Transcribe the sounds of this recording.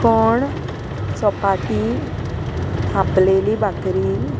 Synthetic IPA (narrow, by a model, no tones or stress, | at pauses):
kɔɳ | sɔpaʈi | tʰãplelibakɾi